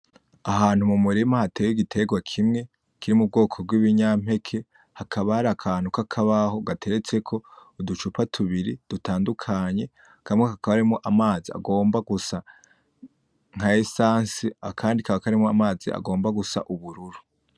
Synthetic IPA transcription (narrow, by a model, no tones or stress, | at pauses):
aɦaːn̥humumuɾimahateːjiɡitʰe̞ɡwakʰimŋe̞ | kʰiɾimub̚ɡo̞ːkʰo̞bɡwiːβiɲam̥he̞kʰe̞ | hakʰaβahaɾakʰaːn̥ukakʰaβaho̞ɡatʰe̞ɾet͡se̞kʰo̞ːdut͡ʃupatʰuβiɾid̥utaːndukʰaɲe̞ | kʰamŋekakʰaβaɾimoʔamaːzia̰ɡo̞ːmbaɡusa | ŋ̥aesaːnsiakʰaːndikaβakaɾimoamaːzia̰ɡo̞ːmbaɡusa̰ʔuβuɾuɾu